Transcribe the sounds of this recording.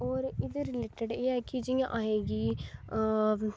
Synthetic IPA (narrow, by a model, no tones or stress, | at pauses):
ɔːɾɪd̪eɾɪleːʈeɖeːɛːkid͡ʒijã̰ʔaːɦeːɡiː